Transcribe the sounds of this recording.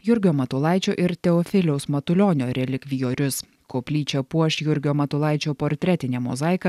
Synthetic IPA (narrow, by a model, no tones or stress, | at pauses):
jʊɾʲɡʲoːmɐt̪ʊːlˠɑˑɪt͡ʃʲoːʔɪɾt̪ʲɛɔfʲɪlʲɛʊsmɐt̪ʊlʲoːnʲoːɾʲɛlʲɪkʲʋʲijoːɾʲʊs | koːpʲlʲiːt͡ʃʲɛpuɔʃjʊɾʲɡʲoːmɐt̪ʊːlˠɑˑɪt͡ʃʲoːpoːɾʲt̪ʲɾʲɛt̪ʲɪnʲɛːmɔ̰zɑɪkɐ